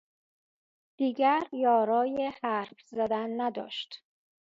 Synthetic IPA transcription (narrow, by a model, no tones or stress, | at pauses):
d̪̥iːɟæɾjɒːɾɒːjehæɾfzæd̪ænːæd̪ɒ̰ːʃt̪